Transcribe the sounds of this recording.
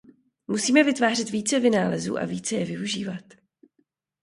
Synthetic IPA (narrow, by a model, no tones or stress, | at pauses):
musiːmɛvɪt̪vaːr̝ɪt̪viːt͡sɛvɪnaːlɛzṵːʔa̰viːt͡sɛjɛvɪuʒiːvat̪